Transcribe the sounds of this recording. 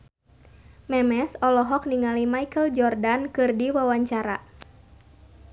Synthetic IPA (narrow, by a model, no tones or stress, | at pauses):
mɛmɛsɔlɔɦɔk̚niŋalimaikəld͡ʒɔrdankɨrdiwawaɲt͡ʃaɾa̰